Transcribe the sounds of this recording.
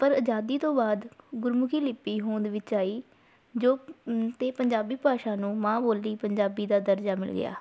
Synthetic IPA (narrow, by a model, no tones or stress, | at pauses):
pəɾəd͡ʒaːd̪iːt̪õːbaːd̪ɡʊɾmʊkʰiːlɪpːiːɦõːnd̪ʋɪt͡ʃaːiː | d͡ʒoːt̪eːpəɲd͡ʒaːbiːpaːʃãːnũːmãːboːlːiːpəɲd͡ʒaːbiːd̪aːd̪əɾd͡ʒaːmɪ̰lɡɪ̰ja̰ː